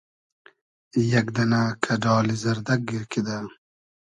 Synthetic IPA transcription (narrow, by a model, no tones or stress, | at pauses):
jɐkd̪ɐnakʰɐɖɑːlizɐɾd̪ɐk̚ɡiɾkid̪a